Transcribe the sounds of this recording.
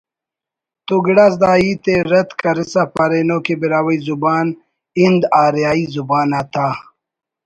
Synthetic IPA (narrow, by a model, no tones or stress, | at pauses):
t̪uɡɽas̬d̪aːit̪eɾɐt̪kɐɾisapaɾenokebiɾaːwɐjzubaːn | ind̪aːɾjaːizubaːnat̪ʰaː